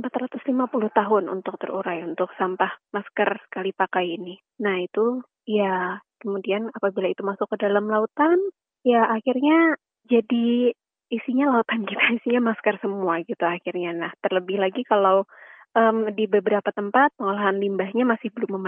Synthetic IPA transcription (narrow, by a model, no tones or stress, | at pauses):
əmpat̪rat̪ʊslimapulʊht̪aɦʊnṵnt̪ʊk̚t̪ə̰ɾuɾajunt̪ʊksampahmaskərsə̥kalipakajinɪ | nahit̪u | jakəmudianapabilait̪umasʊkːədalamlaut̪an | jaːkirɲa | d͡ʒadiː | siɲalaut̪ankit̪ʰaisiɲamaskərsəmuaɡit̪uakirɲanaht̪ərləbɪhlaɡikalaw | ʔəmdibəbəɾapat̪əmpat̪̚pəŋalaɦanlimbahɲamasɪhbəlʊmːəma